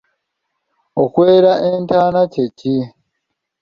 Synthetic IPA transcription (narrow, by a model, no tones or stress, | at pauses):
okweːɾaʔentaːnaceci